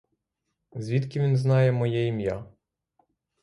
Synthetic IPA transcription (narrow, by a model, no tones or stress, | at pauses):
zʲʋʲit̪kʲiʋʲinznɑjɛmɔjɛjimja